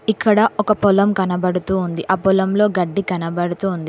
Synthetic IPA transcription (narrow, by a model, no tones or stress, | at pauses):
ikːɐɽɐʔɔkɐpɔlɐmkɐnɐbɐɽut̪uːnd̪iʔaːpɔlɐmlo̞ːɡɐɖːikɐnɐbɐɽut̪uːnd̪i